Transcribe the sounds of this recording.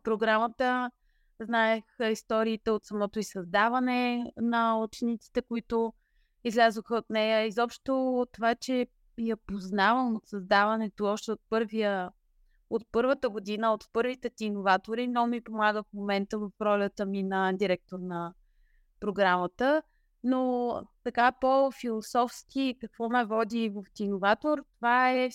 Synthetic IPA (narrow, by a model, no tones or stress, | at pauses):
pɾoɡɾamət̪ə | znaɛxəist̪ɔɾiːt̪ɛot̪sɐmɔt̪oisɐzd̪avɐnɛnɐut͡ʃɛnit̪si̥t̪ɛkoit̪ʊ | izlʲazvoxəot̪nɛjəizɔpʃt̪ot̪ːovat͡ʃɛ | jɐpoznavəmot̪sɐzd̪avɐnɛt̪oɔʃt̪ɛot̪̚pɤɾviə | ot̪̚pɤɾvət̪əɡod̪inəot̪pɤɾvit̪ɛt̪iːnovat̪oɾinɔmipomaɡəfmomɛnt̪əvəfɾɔlʲət̪əminɐd̪iɾɛk̚t̪oɾnə | pɾoɡɾamət̪ə | not̪ɐkapofilˠosɔfsk̟ikɐkvɔmɛvɔd̪ivəft̪inovat̪oɾt̪ovaɛ